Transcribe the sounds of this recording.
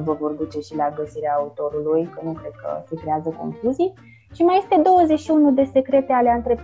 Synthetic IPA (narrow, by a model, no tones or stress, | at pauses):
vəvo̞rd̪ut͡ʃe̞ʃilaɡəsiɾeaːut̪o̞ɾulujkənukɾe̞d̪̚kʰə̰sekɾeazəko̞̰ŋkluzij | ʃimaje̞st̪e̞d̪o̞wəze̞ʃiunud̪e̞se̞kɾe̞t̪e̞aleant̪ɾe̞p